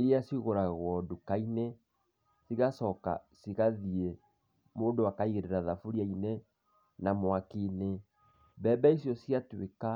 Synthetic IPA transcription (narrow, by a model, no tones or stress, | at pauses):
iɾiasiɣoɾaɣwɔdukaine | siɣasɔka̰siɣaðie | moːdowakaiɣeɾeɾaðafuɾiaine | namwakine | bɛːbɛisjɔsiatweka